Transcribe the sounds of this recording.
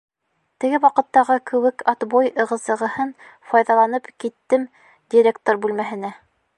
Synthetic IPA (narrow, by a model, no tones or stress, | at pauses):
t̪ɘ̆ɡɘwɑqɤ̆t̪ːɑʁɤkɘ̆wɘkʰɑt̪bojɤ̆ʁɤ̆zɤ̆ʁɤ̆hɤn | fɑjðɑlˠɑnɤpkit̪ːɘm | d̪ʲiɾʲek̚t̪oɾbʉlmæɦɘ̆næ